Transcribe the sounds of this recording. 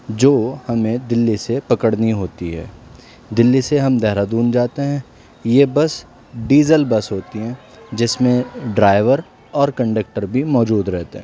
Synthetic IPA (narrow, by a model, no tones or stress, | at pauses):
d͡ʒoːhɐmẽd̪ɪlːisepɐkəɽniɦoːt̪iɦɛ̰ː | d̪ɪlːiseɦɐmd̪ɛɦɾad̪uːnd͡ʒaːt̪eɦɛ̃ | jebɐs | ɖiːzəlbɐsɦoːt̪iɦɛ̃ː | d͡ʒɪsmẽɖɾaːɪʋəɾ | ɔːɾkɐ̃ɳɖək̚ʈəɾbʱimɔːd͡ʒuːd̪ɾɛɦt̪eɦɛ̃ː